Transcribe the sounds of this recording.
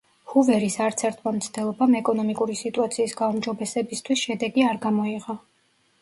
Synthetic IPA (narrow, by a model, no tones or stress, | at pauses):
huvɛɾisaɾt̪sʰɛɾt̪ʰmamt̪sʰd̪ɛlˠɔbamɛkʼɔnɔmikʼuɾisit̪ʼuat̪sʰiːsɡaumd͡ʒɔbɛsɛbist̪ʰwisʃɛd̪ɛɡiaɾɡamɔiʁa